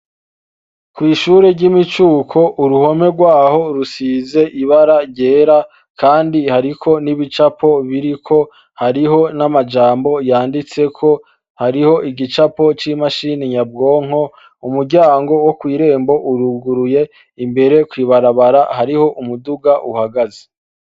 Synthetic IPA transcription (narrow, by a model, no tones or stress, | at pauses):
kwiːʃuːɾeɾɟimit͡ʃuːkʰo̞ʔuɾuho̞me̞ɡwaːho̞ɾusize̞ʔiβaɾaɟe̞ːɾa | kaːndihaɾikʰo̞niβit͡ʃapʰo̞βiɾikʰo̞ | haɾiɦo̞namad͡ʒaːmbo̞jaːndit͡se̞kʰo̞ | haɾiho̞ʔiɡit͡ʃapo̞t͡ʃimaʃiːniɲab̚ɡo̞ːŋ̥ho̞ | umuɾɟaːŋɡo̞wokwiːɾe̞ːmbo̞ʔuɾuɡuɾuje̞ | imbe̞ɾe̞kwiːβaɾaβaɾahaɾiho̞ʔumuduɡaʔuhaɡaze